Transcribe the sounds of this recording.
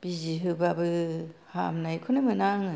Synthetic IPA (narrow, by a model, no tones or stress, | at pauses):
b̥iziɦɯbabɯhamnajkʰɯnɯmɯnaŋɯ